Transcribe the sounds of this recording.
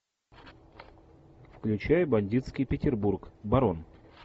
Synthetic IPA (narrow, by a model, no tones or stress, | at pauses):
fklʲʉt͡ɕæjəbɐnʲdʲit̪skʲɪjpʲɪtʲɪrburkbɐɾon